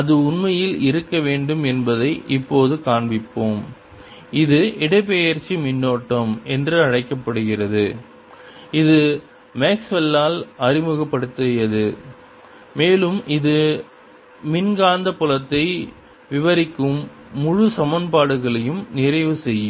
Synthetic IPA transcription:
ɐðɯʊnmɐjɪlɪɾɯkːɐʋeːɳɖɯmɛnbɐðɐɪʔɪpːoːðɯkaːɳbɪpːoːm | ɪðɯɪɽɐɪp̬ːeːjɐɾt͡ʃːimɪnːoːʈːɐmɛndrɯɐɻɐɪkːɐpːɐɽɯɣɪrɐðɯ | ɪðɯ | meːksʋɛlːaːlɐrɪmɯɣɐpːɐɽɯt̪ːɯjɐðɯ | meːlɯmʔɪðɯ | mɪnɡaːnd̪ɐpʊlɐt̪ːɐɪ | ʋɪʋɐɾɪkːɯmː | ʊɻɯsɐmɐnpaːɽɯɣɐɭɐjɯmnɪrɐɪʋɯsɛjːɯ

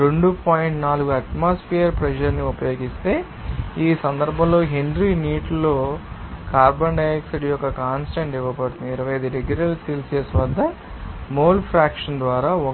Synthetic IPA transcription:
ɾeɳɖupaːjiɳʈnaːluɡuɐʈmaːspʰiɐɾpɾɛʃɐɾniupɐjo̞ːɡist̪e̞ː | iːsɐnd̪ɐɾbʱɐ̃mlo̞ːɦiɳɖɾiːniːʈlːo̞ːkaːɾbɐɳɖɐjeksiʈijɔkːɐkaːnsʈɐɳʈiʋɐpɐɽut̪und̪iiɾɐʋɐjɐjd̪uɾeɡjuɾɐlsiːlseːsʋɐd̪ːɐ | moːlpʰɾaːkʂɐnd̪ʋaːɾaːɔ

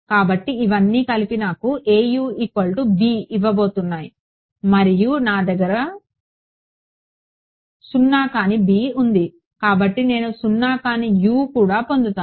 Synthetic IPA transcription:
kaːbɐʈːiiʋɐnːiːkɐlipinaːkuʔe̞ːjuːikʋɐɭʈubiːiʋːɐbo̞ːt̪unːaːji | mɐɾijunaːd̪ɐɡɐɾɐ | sunːaːkaːnibiːund̪i | kaːbɐʈːine̞ːnusunːaːkaːnijuːkuːɽaːpo̞nd̪ut̪aː

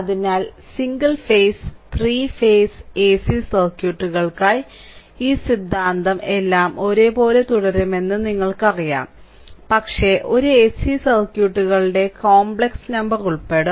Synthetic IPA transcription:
ɐðinaːlsiŋɡɐlfeːjst̪riːfeːseːsisɐrkjuːʈːuɣɐɭkaːj | iːsid̪ʱːaːnd̪ɐme̞lːaːmo̞ɾe̞ːpo̞ːle̞t̪uɽɐɾɐme̞nːɨniŋːɐɭkɨɐrija̰ːm | pɐkʂe̞ʔo̞ɾueːsisɐrkjuːʈːuɣɐɭɽe̞koːmbɭeksnɐmbɐruɭpe̞ːɽɨ

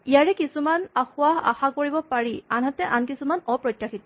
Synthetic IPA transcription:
ijaɹɛkisumanaxʊaa̰xakoɹibɔpaɹianɦatɛʔankisumanɔpɹɔjtːaxitɔ

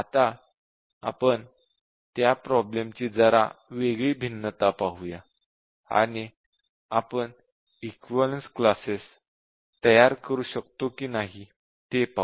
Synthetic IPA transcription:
at̪a | a̰pəɳ | t̪japɾɔblemt͡ɕiːd͡zəɾaʋeɡɭiːbʱinːət̪apaɦuja | a̰ɽ̃i | apəɳ | ikʋələnsklases | t̪əjaɾkəɾuːɕəkt̪okiːnaɦi | t̪epa

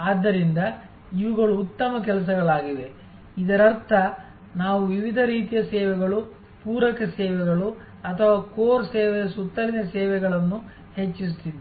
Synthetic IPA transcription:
aːd̪ːɐɾind̪ɐ | iʋuɡɐɭuːt̪ːɐmɐk̬ɛlɐs̬ɐɡɐɭaːɡiʋe̞ | id̪ɐɾɐɾt̪ʰɐ | naːʋuʋiʋid̪ʱɐɾiːt̪ijɐsɛːʋɛɡɐɭu | puːɾɐkɐsɛːʋɛɡɐɭu | ɐt̪ʰɐʋaːkoːɾsɛːʋɛjɐsut̪ːɐlinɐsɛːʋɛɡɐɭɐnːu | he̞t͡ʃːist̪id̪i

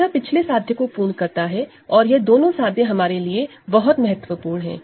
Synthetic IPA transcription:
apɪt͡ʃʰlesaːd̪ʱjẽkopuːlkɐɾt̪aɦɛ | ɔːɾjed̪oːnõsaːd̪ʱjẽɦɐmaːɾelie | bɐɦʊt̪mɐɦət̪ʋəpuːɾɳɦɛ̰̃ː

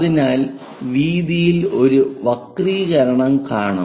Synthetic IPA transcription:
ðinaːl | ʋiːðijilo̞ɾuʋɐkriɣɐɾɐɳɐmkaːɳɐ

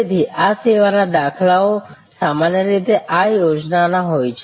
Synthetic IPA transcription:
t̪ʰiʔaseʋanad̪akʰlao | samanjəɾit̪eʔajod͡ʒnanaɦojt͡ʃʰe

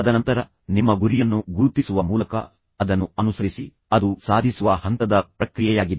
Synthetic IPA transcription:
ɐd̪ɐnɐnt̪ɐɾɐ | nimːɐɡuɾijɐnːuɡuɾt̪isuʋɐmuːlɐkɐ̰ | ɐd̪ɐnːuɐnusɐɾisi | ɐd̪usaːd̪ʱisuʋɐhɐnt̪ɐd̪ɐpɾɐkɾijɛjaːɡid̪e

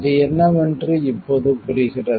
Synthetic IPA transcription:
ðɯɛnːɐʋɛndrɯɪpːoðɯpʊɾɪɣɪrɐ

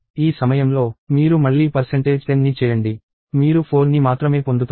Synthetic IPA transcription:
iːsɐmɐjɐmlo̞ːmiːɾumɐɭːiːpɐɾseɳʈe̞ːd͡ʒɐnːit͡ʃɛːjɐɳɖi | miːɾupʰo̞ːnːimaːt̪ɾɐme̞ːpo̞nd̪ut̪ː

